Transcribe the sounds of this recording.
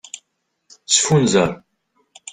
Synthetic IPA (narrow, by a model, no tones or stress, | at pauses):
sfunzəɾˤ